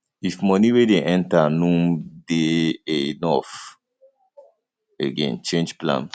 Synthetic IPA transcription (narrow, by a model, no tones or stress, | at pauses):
ifmɔniwedeʔɛ̃ntanũdeenɔf | eɡḛ̃nt͡ʃẽnd͡ʒplã̰ns